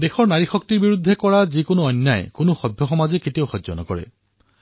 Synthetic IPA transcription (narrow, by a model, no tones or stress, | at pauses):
dexɔɹnaɹixɔk̚tiɹbiɹud̪ʱːekɔɹazikonʊɔnːajkʊnʊxɔbʱjɔxɔmazɛketiowxɔzɔ̰nɔ̰kɔɹɛ̰